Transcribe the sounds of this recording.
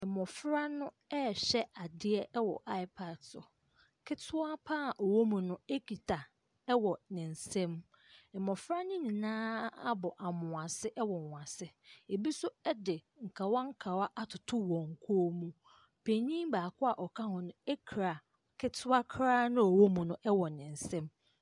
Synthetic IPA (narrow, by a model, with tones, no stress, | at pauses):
ɛ˨mɔ̃˨fɾa˦nʊ̃˦ | ɛ˦˨ɕɛ˦a˨dɪ˦ɛ˦ɛ˦wɔ̰˨ʔa˦ɪ˦pʰa˨dsɔ̰˨ | kʰɪ˦tʰʊ˦a˦pʰaː˦˨ʔo˨wo˦mũ˨nʊ̃˦e˦kʰi˨tʰa˨ | ɛ˦wɔ˨nɪ̃˨n̩˨sɛ̃˦m | ɛ˨mɔ̃˨fɾa˦nʊ̃˦ɲĩ˨nãː˦a˦bɔ˨ʔa˨mʊ̃˨a˨sɪ˦ʔɛ˦wɔ˨ã˨sɪ˦e˨bi˦sʊ˦ɛ˦dɪ˨ | ŋ̩˨kʰa˨wa˦ŋ̩˦kʰa˨wa˦ʔa˦tʰʊ˨tʰʊ˦wɔ̃˨ŋ̩˨kʰoː˦mũ˦ | pʰe˨ɲĩ˦mbaː˨kʰʊ˦a˨ʔɔ˨kʰa˦hʊ̃˨nʊ̃˦e˦kʰɾa˨ | kʰɪ˦tʰʊ˦a˦kʰɾaː˦nʊ̃˦ɔ˨wo˦mũ˨nʊ̃˦ʔɛ˦wɔ˨nɪ̃˨n̩˨sɛ̃˦m